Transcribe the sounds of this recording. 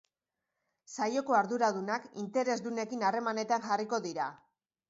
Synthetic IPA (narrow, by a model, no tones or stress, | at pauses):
sajo̞ko̞aɾðuɾað̞unakḭnt̪e̞ɾe̞zd̪une̞kinare̞mane̞t̪anʝariko̞ðiɾa